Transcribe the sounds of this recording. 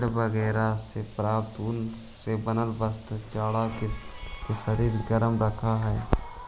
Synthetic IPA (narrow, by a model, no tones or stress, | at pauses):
ɽbəɡɛːɾasepɾaːpt̪uːn | sebənəlbəst̪t͡ʃaːɽakkesəɾiːɾɡəɾəmɾəkʰaɦɛː